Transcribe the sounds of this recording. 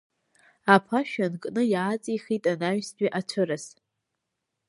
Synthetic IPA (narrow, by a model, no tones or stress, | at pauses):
apʰaʃᶣankʼnɨjaːt͡sʼiχitʼanaɥsdʼiʔat͡ʃʷʰɨɾɨs